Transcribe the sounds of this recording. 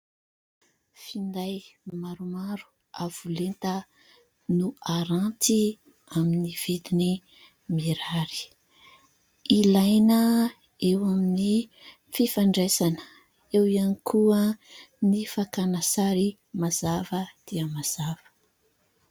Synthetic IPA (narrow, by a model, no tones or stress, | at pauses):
find̪ajmaɾumaɾu̥ | av̥ulent̪ə | nuaɾãnt̪i | aminiv̥id̪ini | miɾaɾi̥ | ilajnə | ewamini | fifaɳɖ͡ʐesanə̥ | ewianikʰuənifakanasaɾi | maz̥avəd̪̥iəmaz̥av̥ə̥